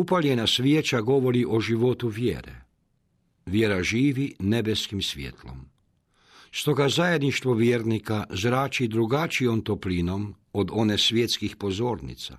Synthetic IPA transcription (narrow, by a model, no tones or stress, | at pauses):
upaljenasʋjet͡ʃaɡo̞ʋo̞ɾiʔo̞ʒiʋo̞t̪uʋjḛːɾḛ | ʋjeːɾaʒiːʋinebeskimsʋjḛt̪lo̰m | st̪o̞ɡazaje̞d̪niʃt̪ʋo̞ʋjeːɾnikazɾaːt͡ʃid̪ɾuɡat͡ʃio̞mt̪oplinomod̪o̞nesʋjet̪skixpo̞zo̞ːɾnḭt̪sa̰